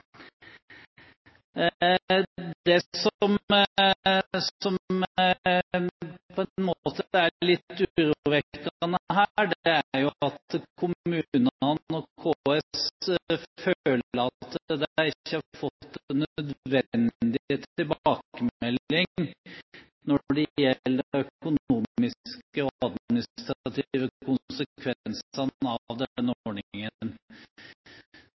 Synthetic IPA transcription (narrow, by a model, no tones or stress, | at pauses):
d̪ɛsɔm | sɔm | pʰɔɛnmoːt̪əæɭɪt̪ːʉɾuʋɛkɑnəəɦæɖɛæɾjʊɑt̪kʰʊmʉːnənɔkʰoːɛs | føːləɑt̪d̪ɛæɾɪçːəhɑfɔt̪ːnːœd̪ʋɛnd̪ɪheːt̪ːɪlbːkəmɛlːɪŋ | nɔɖɛjɛlːd̪əœkʊnuːmɪskəɔɑd̪mɪnɪst̪ɾɑt̪ʰiʋəkʰʊnsəkʰʋɛnsənɑʋd̪ɛnːoɳɪŋən